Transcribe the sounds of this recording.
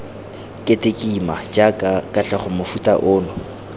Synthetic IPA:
kʼetʼekʼimat͡ʃʼakʼakʼat͡ɬaχʊmʊfutʼa̰ʔʊːnʊ

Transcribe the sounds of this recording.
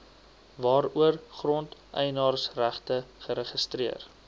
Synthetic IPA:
vɑːɾuərχrɔntʔɛjnɑːrsræχtəχəɾəχəstriər

